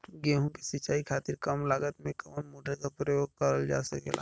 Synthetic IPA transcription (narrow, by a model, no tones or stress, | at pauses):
ɡeːɦũkesit͡ʃaːikʰaːt̪iɾkɐmlaːɡət̪mẽkɐənmoːɖəlkapɾɔjoːɡ̚kɐɾəld͡ʒa̰ːsɐkḛla̰ː